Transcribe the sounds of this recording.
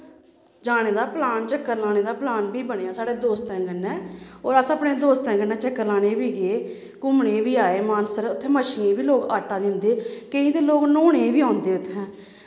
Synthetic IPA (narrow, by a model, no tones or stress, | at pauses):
d͡ʒaːɽeːd̪aːplaːnt͡ʃəkːəɾlaːneːd̪aːplaːnbʱiːbəɳeːaːsaːɽeːd̪oːst̪ɛ̃ːɡənːɛːɔːɾəsəpɳeːd̪oːst̪ɛ̃ːɡənɛ̃ːt͡ʃəkːəɾlaːneːbiːɡeː | kʊmɳeːʋiːaːeːmaːnsəɾʊt̪ʰːẽːməʃiːẽːʋiːloːɡaːʈːaːd̪ɪ̃nd̪eːkəĩːt̪eːloːɡnoːɳeːbiːãːnd̪eːʊt̪ʰːɛ̃ː